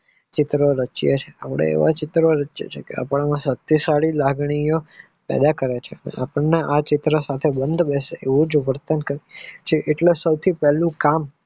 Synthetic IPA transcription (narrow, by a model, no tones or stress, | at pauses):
t͡ʃɪt̪ɾoɾət͡ʃijət͡ʃʰeapəɽ̃ḛḛʋat͡ʃɪt̪ɾoɾət͡ʃjə̰t͡ʃʰekḛa̰pɳ̃amãsət̪isaɽilaɡɳ̃ijo | pɛ̰d̪akəɾet͡ʃʰeənḛʔapəɳneʔat͡ʃɪt̪ɾəsat̪ʰebənd̪ʱbɛseeʋũd͡ʒʋəɾt̪ənkəɾit͡ʃʰeʔeʈlesəwt̪ʰipɛlũkam